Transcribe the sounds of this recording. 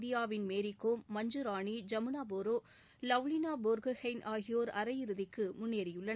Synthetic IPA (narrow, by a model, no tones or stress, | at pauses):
d̪ɪjaːʋɪnmeːɾɪkːoːmɐɲd͡ʒɯɾaːnid͡ʒɐmɪnaːboːɾoː | lɐʋlɪnaːboɾɣɯhɐɪnʔaːɣɪjoːɾɐɾɐjɪɾɯðɪkːɯmʊnːeːɾɪjɯɭːɐ